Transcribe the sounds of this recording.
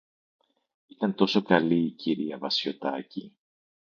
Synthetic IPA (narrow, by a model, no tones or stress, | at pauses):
it̪ɐnt̪o̞so̞kɐliːciɾiɐvɐsço̞t̪ɐci